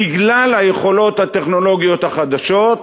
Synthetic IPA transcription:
iɡlalhajeχo̞lo̞t̪hat̪e̞χno̞lo̞ɡijo̞t̪haχad̪aʃo̞t̪

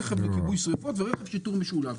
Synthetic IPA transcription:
χevlekibujsʁifot̪veʁeχevʃit̪uʁmeʃulav

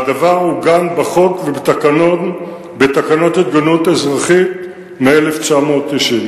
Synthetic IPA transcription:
ad̪avaʁhuɡanbaχo̞kvebet̪akanon | bet̪akano̞t̪hit̪̚ɡanut̪ezʁaχit̪̚ | meeleft͡ʃamo̞ːt̪ːiʃin

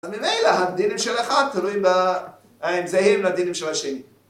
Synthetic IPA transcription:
azmimejlaɦad̪inimʃelaχad̪̚t̪ːalujimba | emzehiɾmlad̪inimʃelaʃeni

